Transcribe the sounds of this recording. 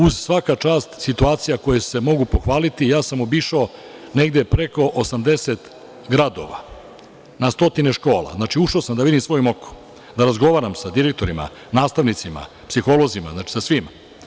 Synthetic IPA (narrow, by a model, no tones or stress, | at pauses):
uzsʋakat͡ʃaːst̪sit̪uaːt̪sijako̞jese̞mo̞ɡupo̞xʋaːlit̪ijaːsamo̞biʃaone̞ɡd̪epɾe̞ko̞ʔosamd̪e̞set̪ | ɡɾad̪o̞ʋa̰ | nast̪o̞t̪ine̞ʃko̞ːla̰znaːt͡ʃiuʃaosamd̪aʋid̪imsʋo̞jmo̞ko̥m | d̪aɾazɡo̞ʋaːɾamsad̪iɾek̚t̪o̞ɾima̰ | naːst̪aʋnit̪sima̰ | psixo̞lˠo̞zima̰znaːt͡ʃi̥sasʋim